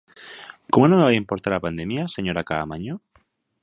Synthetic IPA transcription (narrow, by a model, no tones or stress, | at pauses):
komonõŋeβajimpoɾt̪aɾapand̪emjaseɲoɾakaːmaɲo